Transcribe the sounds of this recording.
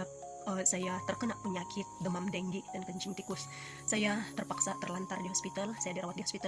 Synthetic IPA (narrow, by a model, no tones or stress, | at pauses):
əsajat̪ərkənaʔpəɲakʰɪt̪̚dəmamdɛŋɡidankəɲt͡ʃɪŋt̪ikʊs | sajat̪ərpaksat̪ərlant̪ardiɦospit̪alsajadiɾawat̪̚diɦoɔspit̪a